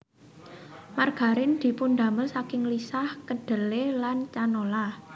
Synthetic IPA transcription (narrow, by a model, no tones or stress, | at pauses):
marɡ̥a̤ɾɪnd̪̥i̤pund̪a̤məlsakɪŋlisahkəd̪̥ə̤lelant͡ʃanola